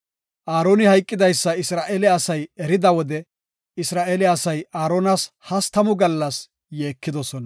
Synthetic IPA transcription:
ʔaːɾoːnɪhɐjkʼːɪd̪ɐjsːɐɪsɾaːʔeːlɛɐsɐjɛɾɪd̪ɐwɔd̪ɛ | ɪsɾaːʔeːlɛɐsɐjaːɾo̞ːnɐs | hɐst̪ɐmʊɡɐlːɐs | jeːkːɪd̪ɔsɔnɐ

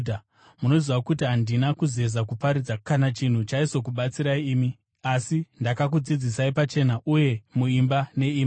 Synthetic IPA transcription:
muno̞ziwakutiɦandinakuze̞zakupaɾid͡zakanat͡ʃin̤ut͡ʃaiso̞kuɓat͡siɾaiːmi | asindakak̬ud͡zid͡zisaipat͡ʃe̞naʔuje̞muimbane̞iːm

